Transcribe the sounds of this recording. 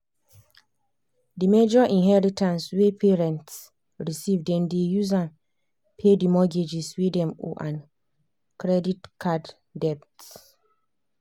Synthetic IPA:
dimed͡ʒɔʔĩnɦɛɹitʰãnswepʰeɹɛ̃nts | ɹisivdɛ̃mdejuz̬ãn | pʰedimɔɡed͡ʒiswidɛ̃mo̰ʔãn | kɹɛditkʰad | dɛpts

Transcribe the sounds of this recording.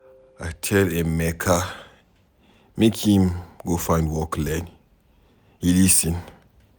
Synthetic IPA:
atʰɛlemɛkʰa | mekʰĩmɡofãɪ̃ndwɔklɛ̃n | hilisĩn

